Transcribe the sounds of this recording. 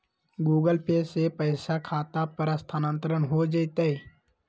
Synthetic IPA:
ɡuːɡəlpʰeːsepəɪsakʰaːt̪apəɾəst̪ʰanə̃nt̪ɾənɦod͡ʒaɪt̪ae

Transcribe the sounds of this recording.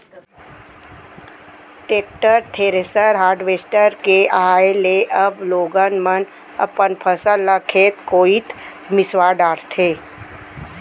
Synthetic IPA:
ʈeːkʈəɾt̪ʰeːɾesəɾɦaːɾɖʋeːsʈəɾkeaːeleʔɐbloːɡənmən | ɐ̰pənpʰəsələkʰeːt̪koːit̪ | mɪswaːɖaːɾt̪ʰeː

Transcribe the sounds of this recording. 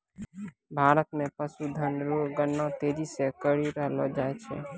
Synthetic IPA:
bʱaɾət̪mepəsud̪ʱənɾoɡənːãt̪ed͡ʒisekəɾiɾəɦlɔd͡ʒajt͡ʃʰɛ̰

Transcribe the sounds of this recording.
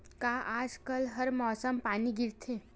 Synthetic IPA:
kaːʔaːd͡ʒkəlɦɐɾmɔːsəmpaːniɡɪɾt̪ʰeː

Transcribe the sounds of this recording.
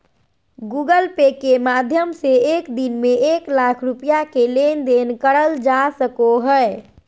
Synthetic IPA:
ɡuɡəlpekemad̪ʱjəmseekd̪inmeeklakʰɾupijakelend̪enkəɽəld͡ʒasəkoɦəe

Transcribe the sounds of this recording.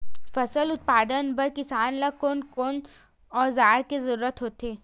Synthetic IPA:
fɐsəlʊt̪̚paːd̪ənbɐɾkɪsaːnlakoːnkon | ɔːɾzaːɾkezɐɾuːɾət̪ɦoːt̪eː

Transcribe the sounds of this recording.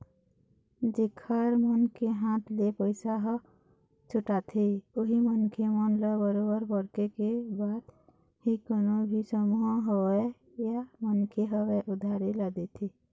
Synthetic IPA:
d͡ʒekʰːaɾmənkeɦãt̪ʰlepəɪsaɦ | t͡ʃʰʊʈat̪ʰioɦimənkʰemənlebəɾobəɾbəɽkekebaːd̪ | hikonobʱisəmuɦɦoe | jamənkʰeɦəweʔʊd̪ʱaɾeləd̪et̪ʰi

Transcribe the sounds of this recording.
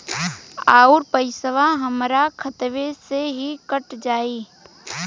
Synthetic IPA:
aːʊɾpəɪsəʋaɦəmɾakʰət̪ʋeseɦikəʈd͡ʒaːi

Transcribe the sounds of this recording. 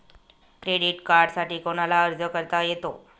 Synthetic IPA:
kɾeɽiʈkaɾɖsaʈiːkoɽ̃alaəɾd͡zəkəɾt̪ajet̪o

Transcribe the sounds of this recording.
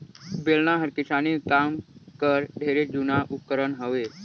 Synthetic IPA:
belnaɦəɾkɪsaːnikaːmkəɾd̪ʱeɾed͡ʒunaʔʊkəɾənɦəʋe

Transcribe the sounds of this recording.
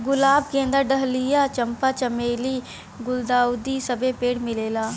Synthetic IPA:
ɡʊlaːb̚kẽə̃nd̪əɾɖəɦlijat͡ʃə̃mpat͡ʃɐmeːli | ɡʊld̪aːʊd̪isɐbepeːɽmɪleːlaː

